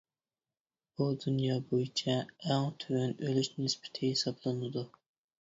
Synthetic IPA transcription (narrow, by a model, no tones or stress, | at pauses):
b̥ud̪unjɑːbojit͡ʃʰɛæŋt̪ʰøwɛnølyʃnɪspʰɪ̥t̪ʰɪhesɑblˠɨnɨd̪u